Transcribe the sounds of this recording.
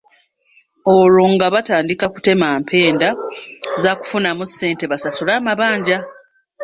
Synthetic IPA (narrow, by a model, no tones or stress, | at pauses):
oloŋɡaβataːndikaku̥te̞maːmpʰe̞ːndazaku̥funamusːe̞ːnte̞βasasulaːmaβaːɲɟa